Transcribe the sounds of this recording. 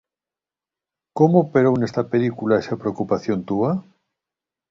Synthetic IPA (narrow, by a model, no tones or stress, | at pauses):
komoopeɾownest̪apelikulaesapɾeokupaθjont̪ua